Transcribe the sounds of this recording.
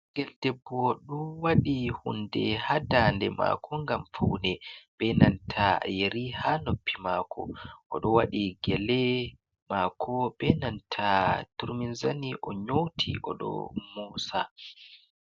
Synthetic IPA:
ŋɡɛldɛbːɔɗuwaɗihundɛhadandɛma̰kʰɔŋɡamfawnɛɓɛnantʰajeɾihanopːimakʰɔ̰ʔɔɗɔwaɗiɡɛlɛ | maːkʰɔɓɛnantʰatuɾminzaniʔɔɲowtʰḭʔɔɗɔ̰muːsa̰

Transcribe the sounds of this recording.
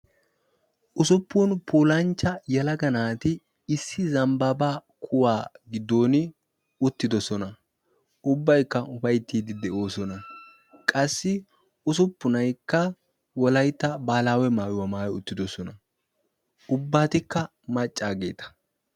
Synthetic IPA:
ʔʊsʊpːunpʰuːlɐnt͡ʃːɐjɐlɐɡɐnaːt̪ɪ | ɪsːɪzɐmbɐbaːkʰʊwaːɡɪd̪ːo̞ːnɪ | ʊt̪ːɪd̪ɔsɔnɐ | ʔʊbːɐjkːɐʊfɐjt̪ːiːd̪ɪd̪ɛʔo̞ːsɔnɐ | kʼɐsːɪ | ʊs̬ʊpːʊnɐjkːɐ | wɔlɐjt̪ːɐbaːlaːwɛmaːjʊwɐmaːjɛʊt̪ːɪd̪ɔsɔnɐ | ʊbːaːt̪ɪkːɐ | mɐt͡ʃʼːaːɡe̞ːt̪ɐ̥

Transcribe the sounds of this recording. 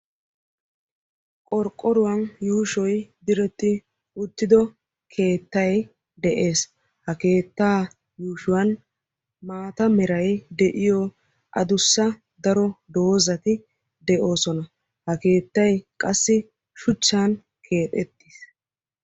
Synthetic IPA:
kʼɔɾkʼːɔɾʊwɐnjuːʃɔjd̪ɪɾɛt̪ːɪ | ʊt̪ːɪd̪ɔ | kʰe̞ːt̪ːɐj | d̪ɛʔe̞ːs | hɐke̞ːt̪ːaː | juːʃʊwɐn | maːt̪ɐmɛɾɐjd̪ɛʔɪjɔ | ʔɐ̰d̪ʊsːɐ | d̪ɐɾɔd̪o̞ːzɐt̪ɪ | d̪ɛʔo̞ːsɔnɐ | hɐke̞ːt̪ːɐjkʼɐsːɪ | ʃʊt͡ʃːaːn | kʰe̞ːt̪ʼɛt̪ːis

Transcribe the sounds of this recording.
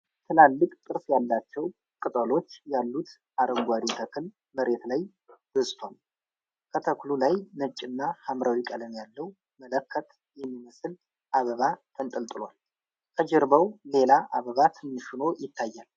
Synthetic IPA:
t̪ʰɨlalːɨkʼt̪ʼɨɾfjalːat͡ʃːɛw | kʼɨt̪ʼəlo̞t͡ʃːjalːut̪ | ʔaɾəŋɡʷaɾit̪ʰəkʰɨl | məɾe̞t̪laj | b̥əsʼt̪ʰwal | kʰət̪ʰəklulajnɨt͡ʃʼːɪnːahamɾawikʼələmjalːəwu | mələkʰːət̪ | jɛmːiməsɨl | ʔaβəβat̪ʰənt̪ʼəlt̪ʼɨlwal | kʰəd͡ʒɛɾbəwle̞laʔaβəβat̪ʰɨnːɨʃuno̞jɪt̪ʰːajːal

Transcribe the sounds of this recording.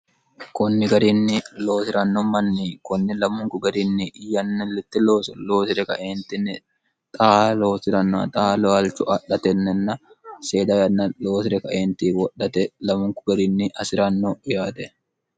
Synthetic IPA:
kɔnːɪɡɐɾinːɪloːsɪɾɐnːɔmɐnːikɔnːɪlɐmʊŋkʊɡɐɾɪnːiʔɪjːɐnːɛlːɪt̪ːɪloːsloːsɪɾɛkɐ̰ʔeːnt̪ɪnːɪ | t̪ʼaːlo̞ːsɪɾɐnːoɐ̰t̪ʼaːloɐlt͡ʃʊɐɗɐt̪ɛnːɛnːɐ | seːd̪ɐjɐnːɐloːs̬ɪɾɛkɐʔeːnt̪iːwɔɗːɐt̪ɛlɐmʊŋkʊɡɐɾɪnːɪʔɐsɪɾɐnːoʊjaːt̪ɛ

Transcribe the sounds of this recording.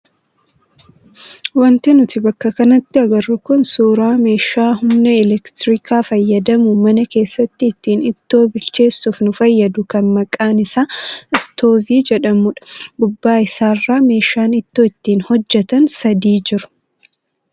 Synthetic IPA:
wɐnt̪ɪnʊt̪ɪbɐkːɐkɐnɐt̪ːɪɐɡɐɾːʊkʊnsuːɾaːme̞ːʃaːɦʊmnɐɪlɛkt̪ɾɪkʰaːfɐjːɐd̪ɐmʊmɐnɐke̞ːsːɐt̪ːɪːt̪ːiːnɪt̪ːo̞ːbɪlt͡ʃe̞ːsːufnʊfɐjːɐd̪ʊkɐnmɐkʼːaːnɪsaːɪst̪o̞ːviːd͡ʒɛᶑɐmʊᶑɐ̥bʊbːaːɪsaːrːaːme̞ːʃaːnɪt̪ːoːɪt̪ːiːnhɔd͡ʒːɛt̪ɐnsɐd̪iːd͡ʒɪɾʊ̥

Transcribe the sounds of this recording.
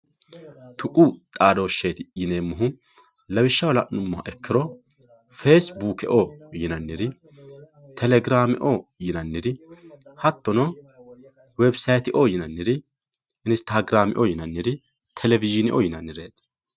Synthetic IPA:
t̪ʰʊʔut̪ʼaːd̪oːʃeːt̪ɪjɪne̞ːmːʊɦʊlɐbɪʃːɐwɐlɐ̰nːʊmːʊhɐ̰ʔɛkːɪɾɔ | feːsbuːkɛ̰ʔojɪnɐnːɪɾɪ | t̪ʰɛlɛɡɪɾaːmɪ̰ʔojɪnɐnːɪɾɪhɐt̪ːɔnɔ | wɛbsɐjt̪ɪʔoːjɪnɐnːɪɾɪɪnst̪aːɡɾaːmɪ̰ʔojɪnɐnːɪɾɪt̪ʰɛlɛvɪʒɪnɪ̰ʔo̰jɪnɐnːɪɾeːt̪

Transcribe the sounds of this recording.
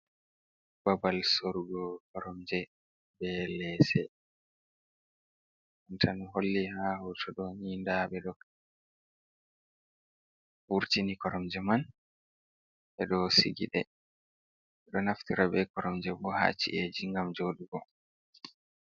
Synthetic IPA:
babalsoɾuɡɔkɔɾɔmd͡ʒɛ | bɛlɛsɛ | ɔntʰanɦolːihahutʰɔɗɔɲindabɛɗɔk | fuɾtinikɔɾɔmd͡ʒɛman | ʔɛɗɔsḭɡḭɗɛ̰ | ɛɗɔnaftiɾabɛkɔɾɔmd͡ʒɛbɔha̰ːt͡ʃːḭʔed͡ʒiŋɡamd͡ʒoɗuɡɔ

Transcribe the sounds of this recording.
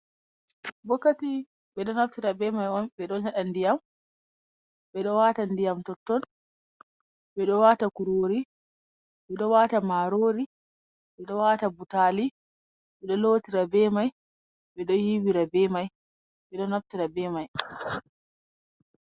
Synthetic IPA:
bɔkːati | ɓɛɗɔnaftiɾabɛmajɔnɓɛɗɔnhaɗandijam | bɛɗɔwaːtandijamtɔtːɔn | ɓɛɗɔwatakuɾoːɾi | ɓɛɗɔwatamaɾoːɾi | ɓɛɗɔwaːtabutali | ɓɛɗɔlotiɾabɛmaj | ɓɛɗɔhibiɾabɛmaj | ɓɛɗɔnaftiɾabɛmaj

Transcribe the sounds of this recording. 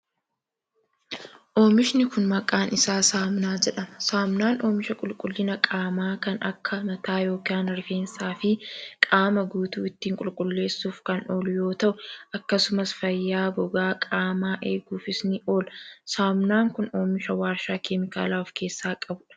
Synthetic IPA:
ʔo̞ːmɪʃnɪkʊnmɐkʼaːnɪsaːsaːmnaːd͡ʒɛᶑɐmɐ̥saːmnaːnʔo̞ːmɪʃɐkʼʊlkʼʊlːɪnɐkʼaːmaːkɐnʔɐkʰːɐmɐt̪aːjo̞ːkaːnɾɪfe̞ːnsaːfɪkʼaːmɐɡuːt̪ṵːɪt̪ːiːŋkʼʊlkʼʊlːe̞ːsːuːfkɐno̞ːlʊjo̞ːt̪ɐʔʊɐkːɐsʊmɐsfɐjːaːbɔɡaːkʼaːmaːʔe̞ːɡuːfɪsnɪʔo̞ːlɐsaːmnaːŋkʊno̞ːmɪʃɐwaːɾʃaːkʰemɪka̰ːlaːʊfke̞ːsːaːkʼɐbʊᶑɐ̥

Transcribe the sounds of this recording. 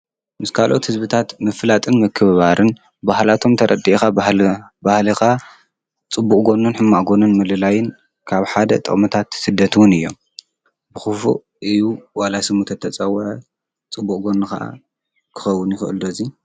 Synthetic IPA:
mɨskʰalʔo̞t̪hɨzbɨt̪ʰat̪mɨflat̪ʼɨnmɨkʰːɨββaɾɨn | bahlat̪ʰo̞mt̪ʰɐɾʔɐd̪iʔxa | bahlixa | t͡sʼɨbːukʼɡo̞nːɨnħɨmːaʔɡo̞nɨnmɨlɨlajɪn | kʰaβħad̪ɐ̰t̪ʼɐ̰χʼmɨt̪ʰat̪sɨd̪ːɐt̪ʰwʊnɨjːo̞̰m | bɨxɨfṵ | ʔɨjuwalasɨmut̪ʰɐt̪ʰːɐt͡sʼɐwɐʕɐ | t͡sʼɨbːukʼɡo̞nɨxɐ̰ʔa̰ | kʰɨ̥xɐwːʊnjɪxɨɨld̪ozi

